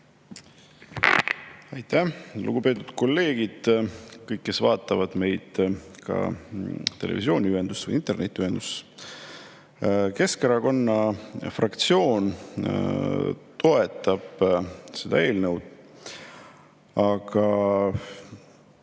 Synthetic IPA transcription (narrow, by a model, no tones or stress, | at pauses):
ɑjt̪ːælṵɡ̥upe̞ːt̪ːˑu̥d̪̥ko̞lːe̞ːɡ̥id̪̥kɤjkːe̞svɑːt̪ːˑɑvɑd̪̥me̞jd̪̥kɑ̰ | t̪e̞lḛvisio̞ːnʲiyɦe̞nd̪̥usvə̰jint̪e̞rnet̪ʲˑːyhend̪̥us | ke̞skeɾɑko̞nːɑfrɑkt̪sio̞ːn | t̪o̞e̞t̪ˑːɑb̥se̞d̪̥ɑ̰e̞ːlnəwd̪̥ | ɑɡ̥ɑ